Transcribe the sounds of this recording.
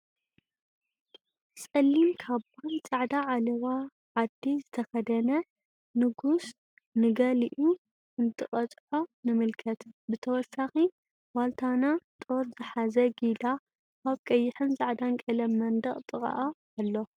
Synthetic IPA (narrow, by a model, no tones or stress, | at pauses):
sʼɐlːimkʰaβant͡sʼaʕd̪aʕalɐwa | ʕad̪ːizɨt̪ʰɐxɐd̪ɐnɐ | nɨɡus | nɨɡɐliʔu | ʔɨnt̪ʰɨχʼɐt͡sʼʕo̞nɨmɨlkʰɐt̪bɨt̪ʰɐwɔsaxi | walt̪ʰanat̪ʼo̞ɾzɨħazɐɡid̪a | ʔaβkʼɐjːɪħɨnzʼaʕd̪aŋkʼɐlɐmɐnd̪ɐχʼt̪ʼɨχʼa̰ʔa | alːo